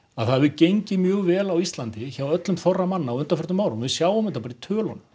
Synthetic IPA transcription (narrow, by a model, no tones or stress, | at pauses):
aðθaðvɪcejɲcɪmjœːɣvɛːlawist̪lant̪ɪçawœt̪lʏmθɔrːamanːaːwʏnt̪ḁfʏɾt̪ʏmːaːwɾʏmvɪðsjaːwɔmɪnt̪apaːɾit̪ʰœːlɔ̰nʏ